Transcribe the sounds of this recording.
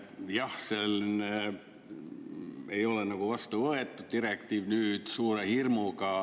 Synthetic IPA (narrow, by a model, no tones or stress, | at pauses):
jɑhselːine | ejo̞lenɑɡ̥uʋɑst̪uʋɤet̪ːud̪̚d̪irek̚t̪iːʋnyːd̪̥suːɾehirmukɑ